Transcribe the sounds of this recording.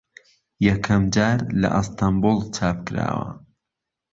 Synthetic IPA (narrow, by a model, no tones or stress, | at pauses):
jɐkʰɐmd͡ʒaːɾlɐ̰ʔɨst̪ambulˠt͡ʃʰaːpkɨɾa̰ːwɐ̰